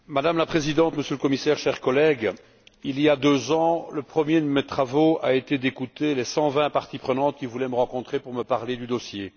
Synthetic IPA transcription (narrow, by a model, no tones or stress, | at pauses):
mad̪amlapχezid̪ɑ̃t̪məsjøləkɔmisɛːʁʃɛʁkɔlɛɡ | iliad̪øzɑ̃ləpχəmjed̪əmet̪χavoaet̪ed̪ekut̪elɛsɑ̃vɛ̃paʁt̪ipχənɑ̃t̪̚kʲivulɛməʁɑ̃kɔ̃t̪χepuʁməpaʁled̪yd̪ɔsje